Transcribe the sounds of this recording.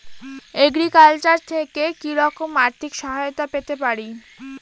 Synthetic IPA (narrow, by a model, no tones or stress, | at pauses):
eɡɾikalt͡ɕaɾt̪ʰekekiɾɔkomaɾt̪ʰikʃɔɦaot̪apet̪epaɾi